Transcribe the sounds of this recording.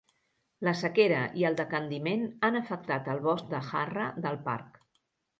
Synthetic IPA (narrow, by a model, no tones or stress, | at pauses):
ləsəkeɾəʔiəlˠd̪əkənd̪imenanəfək̚t̪at̪əlˠβɔs̚d̪əxarəðəlˠpa̰ɾk